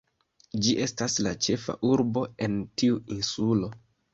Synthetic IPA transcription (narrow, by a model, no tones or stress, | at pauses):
d͡ʒiʔe̞staslat͡ʃe̞fa̰ʔuɾbo̞e̞ntiuinsulo̞